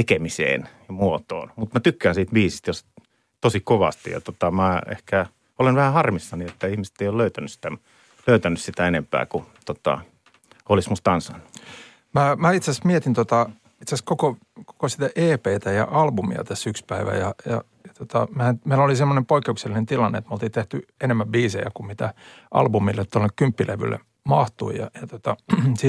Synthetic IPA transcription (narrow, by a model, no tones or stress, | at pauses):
t̪ekemisḛːnjɑmuot̪o̰ːnmut̪mæt̪ykːæːnsiːt̪ʋiːsist̪jos | t̪osikoʋɑ̰st̪ijɑ̰t̪ot̪ɑmæːḛhkæ | olenʋæhæhɑrmisːɑniet̪ːæihmiset̪ːeijolløyt̪ænyssi̥t̪æ | løyt̪ænːyssit̪æenempæ̰ːkut̪ot̪ɑ̰ | olismust̪ɑnsɑ̰nːu̥ | mæmæit̪sæsmiet̪int̪ot̪ɑ | it̪sæskoko | ko̥kosit̪æʔeːpeit̪æjɑ̰ʔɑlbumḭɑ̰t̪æsːykspæiʋæ̰jɑjɑ̰ | jɑt̪ot̪ɑ̰mæːnmeilolisemːonempoikːeukselːinent̪ilɑnːḛt̪molt̪iːt̪eht̪yenemːæbiːsejæ̰kumit̪æʔɑ̰lbumilːet̪t̪olːekkympːilḛʋy̰lːḛ | mɑht̪uijɑ̰jɑt̪ot̪ɑsi